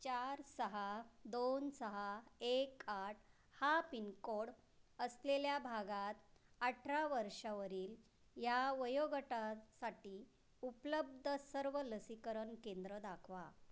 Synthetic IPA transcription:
t͡ɕaɾsəɦad̪onsəɦaekaʈ | hapinkoɽ | əsleljabʱaɡat̪aʈʰɾaʋəɾʂaʋəɾiːl | jaʋəjoɡəʈasaʈiː | upləb̚d̪ʱəsəɾʋələsikəɾənkẽnd̪ɾəd̪akʰʋa

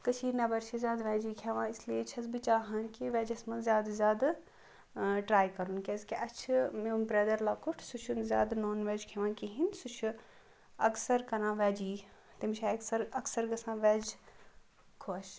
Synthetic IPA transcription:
kɐt͡ʃʰiːɾnɐbɐɾʃʰizʲjaːd̪ʋɛːd͡ʒiːkʰeʋãːisliet͡ʃʰɐzbit͡ʃaːɦɐnkiʋɛːd͡ʒɐsmɐnzʲjaːd̪zʲjaːd̪ | ʈɾaːjkɐɾunkezkiʔɐt͡ʃʰmeumbɾɐd̪ɐɾlaːkʰuʈʰsut͡ʃʰunzʲja̰ːd̪noːnʋɛːd͡ʒkʰɛʋãːnkiɦinsut͡ʃʰu | ɐksɐɾkɐnãːʋɛːd͡ʒiː | t̪imt͡ʃʰaɐksɐɾɐksɐɾɡɐsãːʋɛːd͡ʒ | kʰoɐʃ

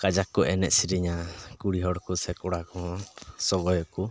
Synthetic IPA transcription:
kad͡ʒakːɔʔɛnɛʔsiɾiɲakuɽiɦɔɽkusɛkɔɽakɔɦɔsɔɡɔjɔku

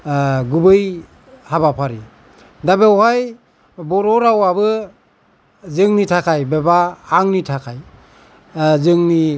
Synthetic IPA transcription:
ɡubɯj | habapʰaɾi | dabewhaj | bɔɾɔɾawabɯ | zɯŋnitʰakʰajbebaːŋnitʰakʰaj | zɯŋni

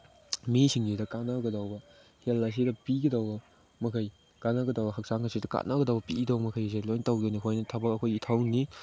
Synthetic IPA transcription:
misʰiŋɡidɐkanɐɡɐdawbɐ | helːɐs̬idɐpiɡɐdawbɐ | mɐkʰɐj | kanɐɡɐdawbɐhɐk̚saŋɐsidɐka̰tnɐɡɐdawbɐpiɡdawbɐmɐkʰajs̬edlojntawɡenikʰojnɐtʰɐbɐkɐkʰojitʰawni

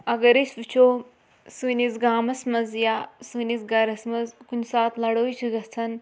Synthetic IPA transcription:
ɐɡɐɾiʃʲʋit͡ʃʰoː | sunizɡaːmɐsmɐzjaːsunizɡɐɾɐsmɐzkunsaːt̪ʰlɐɽoːjit͡ʃʰiɡɐt͡sʰɐn

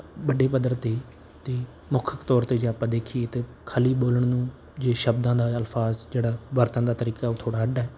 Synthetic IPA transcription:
bəɖeːpəd̪əɾt̪e | t̪eː | mʊkʰəkt̪ɔːɾt̪eːd͡ʒeaːpãːd̪eːkʰiːet̪eː | kʰaːliːboːləɳ̃nũː | d͡ʒeːʃəbd̪ãːd̪aːəlfʰaːzd͡ʒeːɽaːʋəɾt̪ãːd̪aːt̪əɾiːkaːoːt̪ʰoːɽaːəɖaːɦɛː

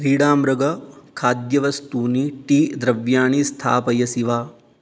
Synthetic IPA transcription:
ɾiːɽaːmɾɐɡɐkʰaːd̪jɐʋɐst̪uːniʈiːd̪ɾɐʋjaːɳist̪ʰa̰ːpɐjɐsiʋaː

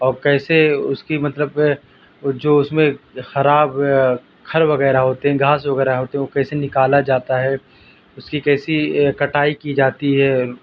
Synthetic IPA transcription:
ɔːɾkɛːseʊskimɐt̪ləb | d͡ʒoːʊsmẽxɐɾaːb | kʰɐɾʋɐɡɛːɾaɦoːt̪eɦɛ̃ɡʱaːsʋɐɣɛːɾaɦoːt̪eɦɛ̃okɛːsenɪkaːlad͡ʒaːt̪aɦɛ | ʊskikɛːsikɐʈaːikid͡ʒaːt̪iɦɛː

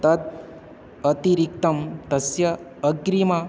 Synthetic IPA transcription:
t̪ɐt̪̚ | ɐt̪iɾik̚t̪ɐmt̪ɐsjɐːɡɾima

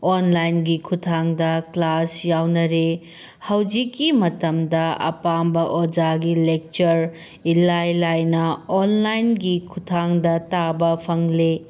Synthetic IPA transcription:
onlajnɡikʰutʰaŋdɐklasjawnɐɾe | hɐwd͡ʒikːimɐtɐmdɐɐ̰pambɐʔod͡ʒaɡilek̚t͡ʃɐɾ | ilajlajnɐonlajnɡikʰutʰaŋdɐtabɐpʰɐŋle

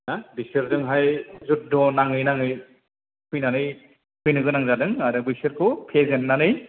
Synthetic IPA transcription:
nabisɯɾzɯŋɦajzut̚dɔnaŋɯjnaŋɯj | kʰujnanɯj | kʰujnɯɡɯnaŋzadɯŋaɾɯbɯsɯɾkʰɯpʰezenːanɯj

